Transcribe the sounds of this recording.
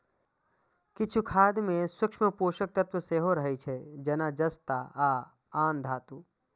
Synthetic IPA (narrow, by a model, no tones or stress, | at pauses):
kɪt͡ʃʰukʰaːd̪mẽsʊkʃməpoːʃək̚t̪ɐt̪wəseːɦoɾɐɦit͡ʃʰɛd͡ʒɐnaːd͡ʒɐst̪aaː | aːnd̪ʱaːt̪uː